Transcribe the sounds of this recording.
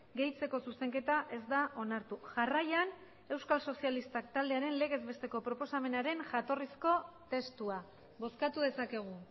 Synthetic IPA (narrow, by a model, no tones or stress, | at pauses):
ɡe̞jt͡se̞ko̞suse̞ŋke̞t̪aʔe̞zd̪aʔo̞naɾt̪uʝarajan | e̞wskalso̞sialist̪ak̚t̪ald̪e̞aɾe̞nle̞ɣ̞e̞zβe̞st̪e̞ko̞pɾo̞po̞same̞naɾe̞nʝat̪o̞risko̞t̪e̞st̪ua | βo̞skat̪uðe̞sake̞ɣ̞u